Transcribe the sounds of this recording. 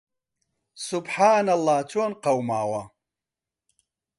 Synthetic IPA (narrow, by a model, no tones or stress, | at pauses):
subħaːnalˠːaːt͡ʃʰʼoːnqawmaːwa